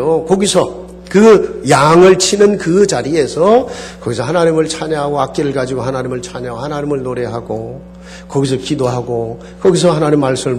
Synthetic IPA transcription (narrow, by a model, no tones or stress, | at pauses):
okʌɡisʰʌ | kɯjaŋɯɭt͡ɕʰinɯnkɯt͡ɕaɾie̞sʰʌkʌɡisʰʌɦanaɲimɯɭt͡ɕʰaɲeɦaɡoak͈̚eɾɯɭkad͡ʑiɡoɦanaɲimɯɭt͡ɕʰaɲeaɡohanaɲimɯɭnoɾeɦaɡo | kʌɡis̬ʰʌkidoɦaɡo | kʌɡis̬ʰʌɦanaɲimːaɭs͈ɯmɯɭ